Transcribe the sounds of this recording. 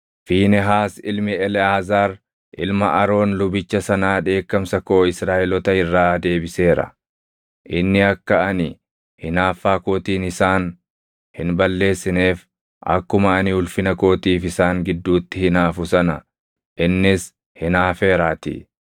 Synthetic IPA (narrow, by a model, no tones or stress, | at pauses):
fiːnɛɦaːsɪlmɪɛlɛaːzaːɾ | ʔɪlmɐʔɐɾo̞ːnlʊbɪt͡ʃːɐsɐnaːᶑe̞ːkːɐmsɐko̞ːɪsɾaːʔɛlɔt̪ɐɪrːaːd̪e̞ːbɪse̞ːɾɐ̰ | ʔɪnːɪɐkːɐɐnɪ | hɪnaːfːaːko̞ːt̪iːnɪsaːn | hɪnbɐlːe̞ːsːɪneːf | ʔɐ̰kːʊmɐɐniʊlfɪnɐko̞ːt̪iːfɪsaːŋɡɪd̪ːuːt̪ːɪhɪnaːfʊsɐnɐ | ʔɪnːɪs | hɪnaːfe̞ːɾaːt̪ɪ̰